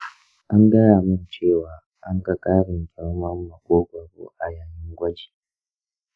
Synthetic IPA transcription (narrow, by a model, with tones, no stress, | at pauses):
ʔa˦ŋɡɐ˦ɽaː˨mɪ˦nt͡ʃeː˦˨waː˨˦ | ʔa˦ŋɡa˦kʼaː˦ɽɪ˨ŋkʰʲʼɛ˦lmɐ˦mːɐ˨kʷʼoː˦ɡʷɐ˨bo̰ː˦ʔa˨jaː˨ɲɪ˦ŋɡʷɐ˦d͡ʒi̥ː˨